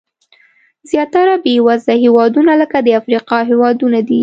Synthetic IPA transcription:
zjɑt̪aɾabewazd̪ahewɑd̪unaləkad̪əafɾiqɑɦewɑd̪unad̪i

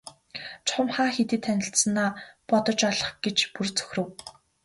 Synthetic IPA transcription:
t͡ɕʰχʊ̆mχaːxet̪ɘ̆ːt̪ʰːænʲɪ̆ɬsə̆naːpɔt̪ɞ̆t͡ɕɔɮɞ̆χɡ̥et͡ɕpurt͡sɵ̥xʲrɵ̆w

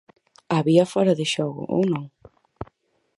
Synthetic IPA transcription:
aβiɐfɔɾɐðɪʃɔɣʊ̰ʔo̰wnõŋ

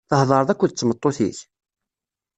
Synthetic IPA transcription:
θəhðˤɑɾˤðˤækʷːʊðt͡sːmət̪ˤːoθḭç

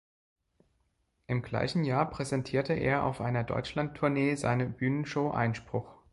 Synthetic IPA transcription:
ʔɪmɡla̰ɪçn̩jaːɐpʁ̥ɛzɛntʰiːɐtəʔḛːɐʔa̰ʊfʔaɪnɐdɔ̰ʏt͡ʃlantʰuɐneːza̰ɪnəbyːnənʃoʊʔa̰ɪnʃpʁ̥ʊx

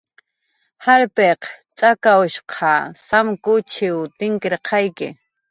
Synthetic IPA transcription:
haɾpeqt͡ʃʼakaʊʃqʰɑsamkʊt͡ʃɪwt̪ɪŋkɪɾqʰɑjkɪ̰

